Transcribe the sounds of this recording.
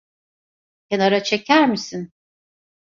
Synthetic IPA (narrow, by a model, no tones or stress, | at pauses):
cʰenaɾat͡ʃʰe̞cʰʲæɾmisin